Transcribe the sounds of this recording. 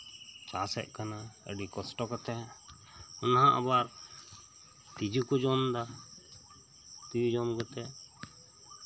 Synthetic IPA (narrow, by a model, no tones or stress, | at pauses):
t͡ʃasɛ̰ʔ̚ˀkanaə̰ɖikɔsʈɔkɔt̪ɛ | ɔnɦãʔa̰baɾ | t̪id͡ʒukud͡ʒɔnd̪a | t̪id͡ʒud͡ʒɔmɡɔt̪ɛ